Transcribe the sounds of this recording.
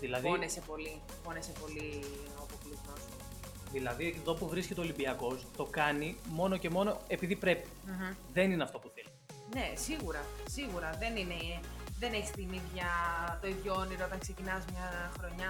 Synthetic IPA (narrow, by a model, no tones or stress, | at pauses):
ðilɐðionese̞po̞li | po̞nese̞po̞li | ɐpoklizmos | ðilɐðieðo̞puvɾiscet̪eo̞limbiɐko̞st̪o̞kɐnimo̞no̞ce̞mo̞no̞e̞piðipɾe̞pi̥ | ðenineɐft̪o̞puθeli | ne̞siɣuɾɐsiɣuɾɐðe̞nine̞ðene̞çist̪iniðʝɐt̪o̞iðʝooniɾoot̪ɐŋkse̞cinɐzmɲɐxɾo̞ɲɐ